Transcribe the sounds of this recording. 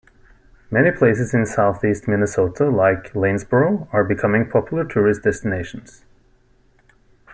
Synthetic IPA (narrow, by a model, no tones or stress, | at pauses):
mɛñipʰl̥eɪs̬ɨzɨ̃nsaʊθistmɪnɨsoʊtʰəlaɪklẽnzbə˞ə˞bɨkʰʌmɪ̃ŋpʰɑpjl̩ˠə˞tʰʊɹɨsd̥ɛstɨneɪʃn̩z̥